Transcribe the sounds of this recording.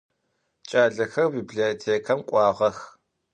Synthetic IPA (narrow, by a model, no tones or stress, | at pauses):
t͡ʃʼaːɮɐxɐrbiːbɮitʰeːkʰɐmqʷʼɑːʁɐx